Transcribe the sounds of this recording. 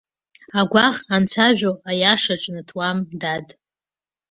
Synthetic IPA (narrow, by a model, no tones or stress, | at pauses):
aɡʷaʁant͡ɕʷʰaʒᶣoajaʂaʈ͡ʂʼnɨtʰwamdadʼ